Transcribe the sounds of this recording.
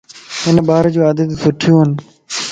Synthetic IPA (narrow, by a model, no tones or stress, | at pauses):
ɪnəɓaːɾd͡ʒuːaːd̪ət̪sʊʈʰɪjũːɦən